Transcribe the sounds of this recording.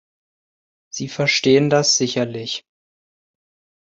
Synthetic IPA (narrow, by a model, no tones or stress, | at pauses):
z̥iːfɛɐʃteːəndasz̥ɪçɐlɪç